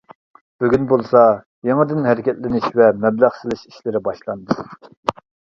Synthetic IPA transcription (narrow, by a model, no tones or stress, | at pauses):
b̥yɡʲynbolˠsɑ | jeŋəd̪ɪnɦæɾɪkʲɛt̪lɪnɪʃvɛmɛblæχsɪlˠɪʃi̥ʃlɪɾɪbɑʃlˠɑnd̪ɨ